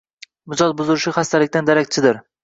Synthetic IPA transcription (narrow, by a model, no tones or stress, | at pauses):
mʊd͡ʒɒzbʊzɪɾɪʃɪχast̪ʰalɪkʲt̪and̪aɾakʲt͡ʃʰɪd̪ɪɾ